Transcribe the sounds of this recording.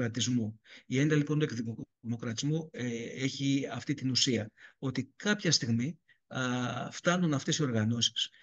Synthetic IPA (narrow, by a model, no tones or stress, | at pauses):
ɾɐt̪izmuie̞nd̪ɐlipo̞nt̪uekðimo̞kɾɐt̪izmueçiɐft̪it̪inusiɐo̞t̪ikɐpçɐst̪iɣmi | ft̪ɐnunɐft̪e̞sio̞ɾɣɐno̞si̥s